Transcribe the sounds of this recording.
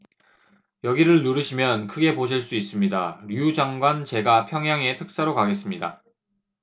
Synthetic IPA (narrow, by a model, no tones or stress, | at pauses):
jʌɡiɾɯɭnuɾɯɕʰimjʌnkʰɯɡe̞poɕ̬ʰiɭs͈uis͈ɯmɲidaɾiud͡ʑaŋɡwant͡ɕe̞ɡapʰjʌŋɦjaŋe̞tʰɯk̚s͈aɾokaɡe̞s͈ɯmɲida̰